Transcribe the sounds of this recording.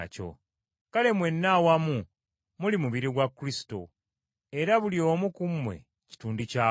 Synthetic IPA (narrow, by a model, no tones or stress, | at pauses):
co̞̰ | kale̞mwe̞nːawamu | mulimuβiɾiɡwakːɾisi̥to̞̰ | eɾaβuljo̞ːmukumːwe̞̰ | ci̥tuːndica